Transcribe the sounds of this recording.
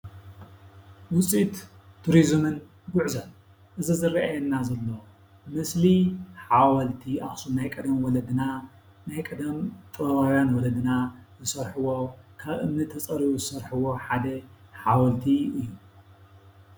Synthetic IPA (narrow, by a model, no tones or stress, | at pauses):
wʊt͡sʼit̪t̪ʰːuɾizmɨn | ɡʊʕzɐn | ʔɨzizɨrːaʔajɛnːazɐlːɐ | mɨsliħawɐlt̪ʰiʔaxsunajkʼɐd̪ɐmwɔlɐd̪ɨna | najkʼɐd̪ɐmt̪ʼɨɾɐɾawjanwɔlɐd̪ɨnazɨsɐɾħɨwo̞kʰaβʔɨmnɨt̪ʰɐt͡sʼɐɾiβuzɨsɐɾħɨwo̞ħad̪ɐħawɐlt̪ʰiʔɨjːu